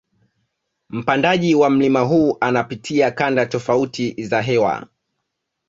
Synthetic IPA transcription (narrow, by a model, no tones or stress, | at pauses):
m̩pandaʄiwam̩limaɦuːʔanapitʰiakandatɔfautizaɦɛwa̰